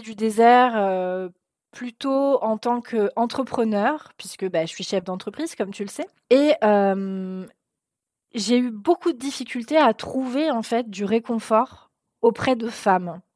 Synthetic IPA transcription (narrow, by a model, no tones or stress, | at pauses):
d̪yd̪ezɛʁø | plyt̪oɑ̃t̪ɑ̃kʰøɑ̃t̪χəpχənœʁpɥiskəbaʒəsɥiʃɛfd̪ɑ̃t̪χəpχiz̥kɔmt̪yləsɛ | eøm | ʒeybokud̪əd̪ifikʲylt̪eat̪χuveɑ̃fɛt̪̚d̪yʁekɔ̃fɔʁ | opχɛd̪əfam